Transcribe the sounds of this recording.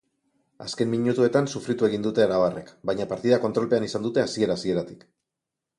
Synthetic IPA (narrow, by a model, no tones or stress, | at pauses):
a̰ske̞mmiɲut̪ue̞t̪ansufɾit̪ue̞ɣind̪ut̪e̞aɾaβarḛkbajɲapaɾt̪iðako̞nt̪ɾo̞lpe̞anisand̪ut̪e̞asie̞ɾaːsie̞ɾat̪i̥k